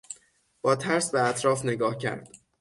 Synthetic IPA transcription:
b̥ɒːt̪ʰæɾsbeæt̪ʰɾɒːfne̞ɡɒːhcʰæ̰ɾd̪̥

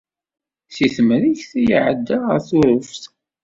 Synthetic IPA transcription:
siθmɾiçθijiʕəd̪ːaʁə̰ɾθʊɾʊfθ

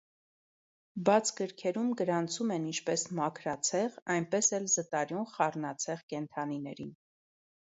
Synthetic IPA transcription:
bɑt͡sʰɡəɾkʰɛɾumɡəɾɑnt͡sʰumɛnint͡ʃʰpɛsmɑkʰɾɑt͡sʰɛʁɑjnpɛsɛlzət̪ɑɾjunχɑrnɑt͡sʰɛʁkɛnt̪ʰɑninɛɾin

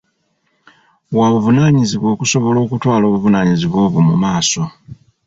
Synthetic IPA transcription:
waβuvunaːɲiziβwo̞ːkuso̞βo̞lo̞ːkutwaːlo̞ːβuvunaːɲiziβwo̞ːβumṵmaːso̞

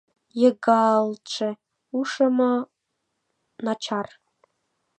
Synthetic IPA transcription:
jeɡalʈ͡ʂʰe | uʂɐma | nat͡ʃʰar

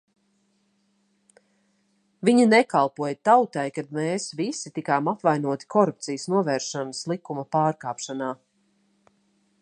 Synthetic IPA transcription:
viɲinɛkalˠpuɔjət̪awt̪ajkad̪meːsvisit̪ikaːmapvajnuɔt̪i̥kɔɾup̚t̪sijəsnuɔvɛːɾʃanəslˠikumɐpaːɾkaːpʃanaː

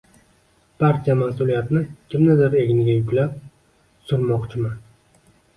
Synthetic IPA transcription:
pʰaɾt̪ʰiamasʊlijat̪nɪkʲʰɪmnɪd̪ɪɾe̞ɡʲɪnɡʲajʊkʲlap̚ | sʊɾmɒqt͡ʃʰɪman

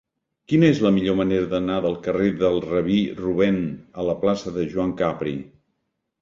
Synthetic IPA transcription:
kinəezləmiʎoməneɾəðənaðəlˠkəreðəlˠrəβiruβ̞ɛnələplasəðəʒwaŋkapɾḭ

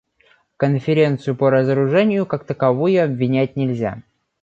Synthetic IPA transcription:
kənfʲɪɾʲe̞nt̪sɨjʊpəɾəzəɾʊʐɛnʲɪjʊkakt̪əkɐvojʊɐbvʲɪnʲæt̚ʲnʲɪlʲzʲa̰

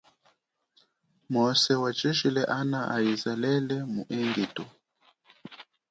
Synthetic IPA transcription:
mɔsɛwat͡ʃiʃilɛʔanaʔaizalɛlɛmṵʔɛŋɡitu

